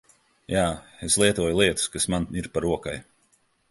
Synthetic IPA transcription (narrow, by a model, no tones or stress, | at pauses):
jaːeslˠiɛt̪uɔjulˠiɛt̪u̥skasmaniɾpaɾuɔkaj